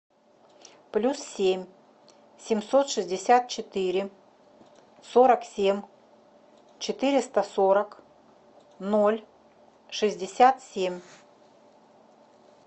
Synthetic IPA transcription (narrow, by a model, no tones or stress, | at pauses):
plʲussʲemʲ | sʲɪmʲso̞t̪ʂɨzʲdʲɪsʲat̪̚t͡ɕɪt̪ɨɾʲɪ | so̞ɾəksʲemʲ | t͡ɕɪt̪ɨɾʲɪst̪əsoɾək | nolʲ | ʂɨzʲdʲɪsʲat̪sʲemʲ